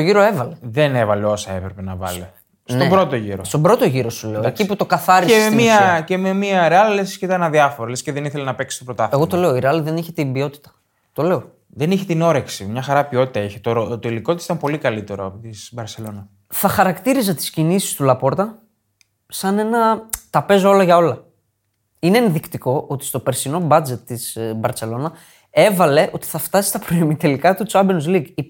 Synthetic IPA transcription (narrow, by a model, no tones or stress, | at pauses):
t̪oʝiɾo̞e̞vɐle̞ðenevɐle̞o̞sɐepɾe̞pe̞nɐvɐ̰le | sntoebɾo̞t̪o̞ʝiɾost̪obɾo̞t̪o̞ʝiɾo̞sule̞oeciput̪o̞kɐθɐɾiseemiɐcememiɐɾeɐlilesisceit̪ɐenɐðiɐfo̞ɾolesceðeniθelenɐpeksi̥st̪opɾot̪ɐθeɣo̞t̪o̞le̞o̞iɾeɐliðe̞niçet̪imbio̞t̪i̥t̪ɐ̥ | t̪o̞le̞o̞ | ðeniçet̪ino̞ɾeksimɲɐxɐɾɐpio̞t̪it̪ɐeçet̪oɾot̪oiliko̞t̪isit̪ɐmpo̞likɐlit̪eɾoɐpot̪isbɐɾse̞lo̞nɐ | θɐxɐɾɐkt̪iɾizɐt̪i̥scinisi̥st̪ulɐpo̞ɾt̪ɐ | sɐne̞nɐt̪ɐpe̞zoo̞lɐʝɐo̞lɐ | ine̞ːnðikt̪iko̞ʔot̪ist̪o̞pe̞ɾsino̞bɐd͡ze̞t̪ːizbɐɾse̞lo̞nɐ | e̞vɐle̞ʔo̞t̪i̥θɐft̪ɐsi̥st̪ɐpɾoimit̪elikɐt̪ut͡sɐbenuzliɡi